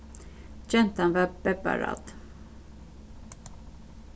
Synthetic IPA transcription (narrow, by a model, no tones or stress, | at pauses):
d͡ʒɛnt̪anvabɛba̰ɾa̰d̪̥